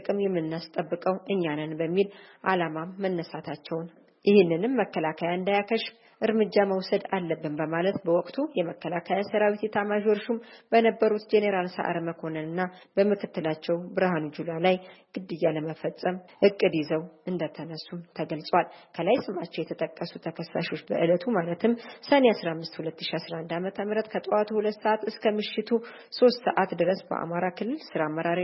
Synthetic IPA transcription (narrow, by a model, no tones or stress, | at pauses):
ɨkʼɨmjɛmːɨnːast̪ʼəbːɨkʼəwʔɨɲːanənbəmːilʔalamamːənːəsat̪ʰat͡ʃːɛwn | jɪhɪnːɨnɨmːəkːəlakʰajaɨnd̪ajakʰəʃ | ʔɨɾmɨd͡ʒːaməwsəd̪alːəbːɨnbəmalət̪bəwɔkʼt̪ʰujɛməkːəlakʰajasəɾawit̪jɛt̪ʰamaʒoɾʃumb̥ənəbːəɾut̪d͡ʒeneɾalsə̰ʔa̰ɾməkʰo̞nənɨnːabəmɨkʰɨt̪ːɨlat͡ʃːɛwbɨɾhanud͡ʒulalajɡ̥ɨd̪ːɨjːaləməfəsʼəmhɨkʼːɨd̪izəwʔɨnd̪ət̪ʰənəsːumt̪ʰəɡəlsʼwalkʰəlajsɨmʔat͡ʃːɛwjɛt̪ʰət̪ʼəkʼːəsut̪ʰəkʰəsːa̰ʃo̞t͡ʃːbə̰ʔɨlət̪ʰumalət̪ʰɨmsəneasɾahmːɨst̪hulət̪ːɨʃiasɾaʔnd̪amət̪ʰəmɾət̪kʰət̪ʼat̪ʰuhulət̪ːsəʔat̪ɨskʰəmɨʃːɪt̪ʰu | so̞st̪sə̰ʔat̪d̪ɨɾəsbə̰ʔa̰maɾakʰɨlːɨlsɨɾamːəɾaɾ